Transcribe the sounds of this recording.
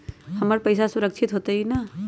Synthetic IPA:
hɐməɾpɐɪs̬asʊɾəkʃʰɪt̪ɦoːt̪ainaː

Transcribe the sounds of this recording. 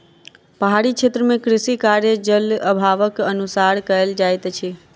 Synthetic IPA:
pəɦaɾit͡ʃʰet̪ɾəmekɾisikaɾjəd͡ʒələbʱaʋəkənusaɾkəeld͡ʒajt̪t͡ʃʰi

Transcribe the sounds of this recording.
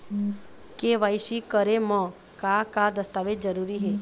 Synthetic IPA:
keʋaːisikəɾemɔ̃ | kakad̪əst̪aːʋed͡ʒəɾuːɾiɦɛː

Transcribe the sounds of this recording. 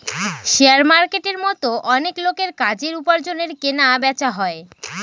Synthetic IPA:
ʃeaɾmaɾkeʈeɾmɔt̪oʔɔneklokeɾkad͡ʑeɾupaɾd͡ʑoneɾkenabɛt͡ɕaɦɔe

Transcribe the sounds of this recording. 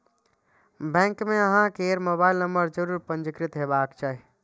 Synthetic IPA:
bɛ̃ŋkmeəɦãkeɾmobailnəmbəɾd͡ʒəɾuɾpə̃nd͡ʒikɾit̪ɦebakt͡ʃʰaɦi

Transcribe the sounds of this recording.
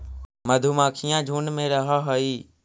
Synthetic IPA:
məd̪ʱuːmãːkʰijãːd͡ʒʱuːnmẽːɾəɦaːɦoiː

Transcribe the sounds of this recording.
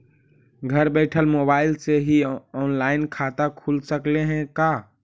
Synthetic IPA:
ɡʱəɾbɛɪʈʰəlmobaɪlseɦiɔnlaɪnkʰat̪akʰulsəkleɦɛ̃ka

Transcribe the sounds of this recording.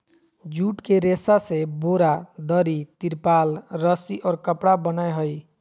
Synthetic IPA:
d͡ʒuʈkeɾesaseboɾad̪ʌɾit̪iɾpalɾʌsiʔɔɾkəpɽabənajɦoj

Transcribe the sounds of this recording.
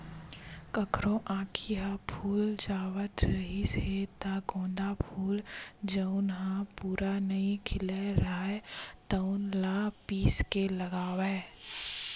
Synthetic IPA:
kəkʰɾõʔãːkʰiɦapʰuːld͡ʒaːwət̪ɾəɦiset̪aɡõːnd̪apʰuːld͡ʒəʊnɦãpuːɾanəɦĩkʰɪleɾaːet̪əʊnlaːpiːskeləɡaːwɛː

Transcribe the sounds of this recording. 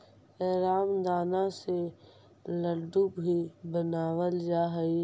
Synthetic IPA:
ɛːɾaːmd̪aːnase | ləɖukbʱibənaːwəld͡ʒaːɦəi

